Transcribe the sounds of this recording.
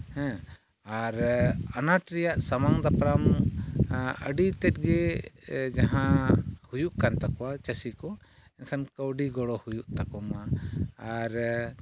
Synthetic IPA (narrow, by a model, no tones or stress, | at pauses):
hɛ̃ | aɾanaʈɾɛjaʔsamaŋd̪apɾam | əɖit̪ɛt̪̚ˀɡɛ | d͡ʒaɦãhujuʔkant̪akɔwat͡ʃəsikɔ | ɛnkʰankəwɖiɡɔɽɔhujuʔt̪akɔmaː | ɾ